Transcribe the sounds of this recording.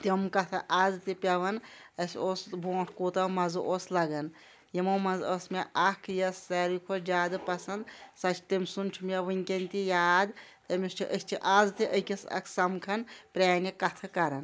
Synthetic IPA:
t̪emkɐt̪ʰɐʔaːzt̪ipʲɐʋɐnɐsʲoːsbʱoːʈʰkoːt̪ɐmɐzɨʔoslɐɡɐn | jemɐmɐzosmʲeʔakʰjɐsːɐɾikʰod͡ʒʲaːd̪ɨpɐsɐnd̪sɐt͡ʃʰt̪emʲsunt͡ʃʰumʲeʋɨnʲkʲɐnʲt̪ijaːd̪t̪ɐmist͡ʃʰiʔəsʲt͡ʃʰiʔaːzt̪iʔəkʲesɐ̰kʰsɐmkʰɐnpɾʲaːnjɐkɐt̪ʰɐkɐɾɐn

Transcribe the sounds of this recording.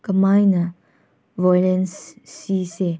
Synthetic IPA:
kəmajnɐ | vɔjlɛnsːise

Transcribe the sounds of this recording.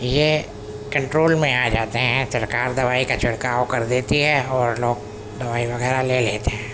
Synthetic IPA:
je | kɐ̃ɳʈɾoːlmẽaːd͡ʒaːt̪eɦɛ̃sɐɾkaːɾd̪ɐʋaːikat͡ʃʊɽkaːokɐɾd̪eːt̪iɦɛ̃ɔːɾloːɡ̚ | d̪ɐʋaːiʋɐɣɛːɾaleleːt̪eɦɛ̃ː

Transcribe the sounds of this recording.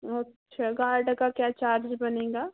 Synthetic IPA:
ɐtːʃʰaɡaːɾɖkakjaːt͡ʃaːɾd͡ʒbɐnẽːɡaː

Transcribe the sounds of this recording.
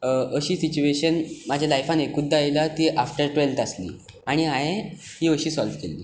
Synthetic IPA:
əɕiːsit͡ɕueɕənmad͡ʑʱjalajfanekud̪ʱːajlat̪iʔafʈəɾʈʋelt̪aslḭː | aɽ̃iaɦe | hiːəɕiːsɔlʋkelːḭː

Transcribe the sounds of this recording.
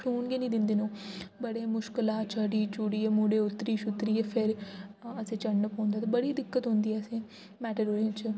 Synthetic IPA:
kʰuːnɡeːnĩːd̪ɪnd̪eːnõːbəɽeːmʊʃklaːt͡ʃʰəɖiːt͡ʃuːɽiːeːmuːɽeːʊt̪ːɾiːʃʊt̪ɾiːepʰɪɾəsẽːt͡ʃəɳːəpõːnd̪aːt̪ãbəɽiːd̪ɪkːət̪ɦõnd̪iːɛəsẽː | mɛːʈəɾɦoːẽt͡ʃ

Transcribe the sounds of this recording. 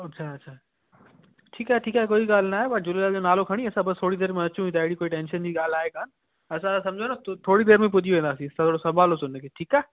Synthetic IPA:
ɐtːʃʰaɐtːʃʰaː | ʈʰiːkaɦeʈʰiːkaːɦekoːiɡaːlnaːɦepɐʈd͡ʑʊlelaːld͡ʑonaːlokʰɐɽ̃iɐsãbɐst̪ʰoːɽid̪eːɾmẽɐt͡ʃũĩt̪aːɪɽikoːiʈẽːnʃənd͡ʑiɡaːlaːekaːn | ɐsãsɐmd͡ʑʱonat̪ʰoːɽid̪eːɾmẽp̬ʊd̪ʱiʋẽːnd̪aːsĩsãt̪ʰoːɽosɐbaːlosʊnekʰeʈʰiːkaːɦ

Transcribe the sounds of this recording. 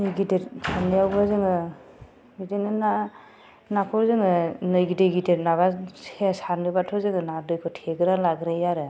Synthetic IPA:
nɯjɡideɾsʰanijawbɯzɯŋɯ | ɡidenɯna | nakʰɔzɯŋɯnɯjɡidejɡideɾnaβaesaɾnɯbatʰɔzɯŋɯnadɯjkʰɔtʰeɡɯɾalaɡɾejaɾɯ

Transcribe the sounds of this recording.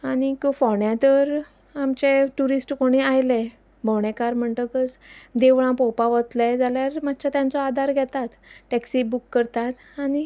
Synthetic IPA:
añikofɔɳjãt̪əɾ | amt͡ɕeʈuɾisʈkoɽ̃iajle | bʱoɳ̃ekaɾm̤əɳt̪əkət͡sd̪eʋɭ̃ãpɔpaʋət̪lad͡zaljaɾmat̪ːt͡ɕat̪jãnt͡sɔad̪ʱaɾɡʱɛt̪at̪ʈɛksibukːəɾt̪at̪ | aɽ̃i

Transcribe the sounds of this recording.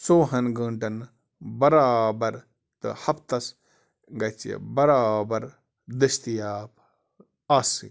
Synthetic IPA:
soːɦɐnɡə̃ɳʈɐn | bɐɾaːbɐɾ | t̪ɨ̰hɐpt̪ɐs | ɡɐt͡ʃḭbɐɾaːbɐɾ | d̪ɨʃt̪ijaːp | aːsḭ

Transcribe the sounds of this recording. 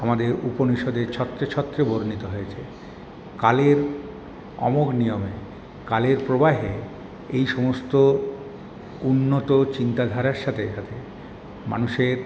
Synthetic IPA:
amad̪eɾuponiʃod̪eɾt͡ɕʰɔt̪ːɾet͡ɕʰɔt̪ːɾeboɾnit̪oɦojet͡ɕʰe | kaleɾ | ɔ̰moknijome | kaleɾpɾobaɦe | ejʃɔmost̪o | unːot̪ot͡ɕint̪ad̪ʱaɾaɾʃat̪ʰeʃat̪ʰe | ma̰nuʃeɾ

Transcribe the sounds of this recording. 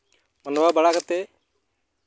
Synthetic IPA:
mənʋaːbəɽaːkət̪eː

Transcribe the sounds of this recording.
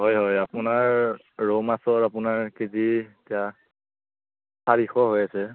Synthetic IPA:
ɦɔjɦɔjapʊnaɹː | omasɔɹapʊnaɹkezietija | sʰaɹixɔɦojasɛ

